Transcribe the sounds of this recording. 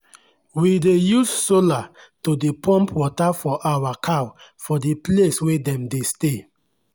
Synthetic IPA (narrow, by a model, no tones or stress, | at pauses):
widejussola | todepʰɔ̃mpwɔtafɔʔawakʰawfɔdipleswedɛ̃mdeste